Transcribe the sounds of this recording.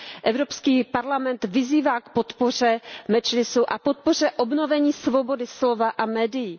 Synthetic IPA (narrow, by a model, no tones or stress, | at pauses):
ʔɛvɾo̞pskiːpaɾlamɛnt̪vɪziːvaːkpot̪po̞r̝ɛmɛt͡ʃlɪsuʔapo̞t̪̚por̝ɛʔobno̞vɛɲiːsvo̞bo̞dɪslo̞vaʔamɛːdɪjɪ